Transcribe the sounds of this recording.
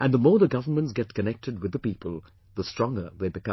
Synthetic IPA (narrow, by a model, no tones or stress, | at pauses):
ʔɨ̃nðəmɔːɹðəɡʌvəmə̃ntsɡ̥ɛt̚kʰɨnɛk̚tʰɨd̚wɨððəpipəlˠ | ðəstɹ̥ɔ̃ŋɡə˞ðeɪbɨkʌ̃